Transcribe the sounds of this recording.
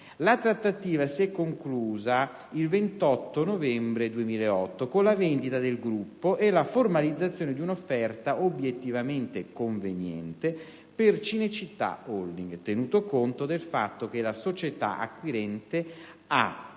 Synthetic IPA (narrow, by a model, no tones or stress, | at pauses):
lat̪ɾat̪ːat̪iːvasiɛkːoŋkluːza | ilvent̪ɔt̪ːonovɛmbɾed̪uemiːleeɔt̪ːokonlavend̪it̪ad̪elɡɾupːoʔelaformalid̪zːat̪sːjoːned̪iunofːɛrt̪aʔobjet̪ːivament̪ekoɱvenjɛ̰nt̪e | pert͡ʃinet͡ʃit̪ːa̰old̪iŋɡt̪enuːt̪okont̪od̪elfa̰t̪ːok̟elasot͡ʃet̪a̰ʔa̰kːwiɾɛnt̪ea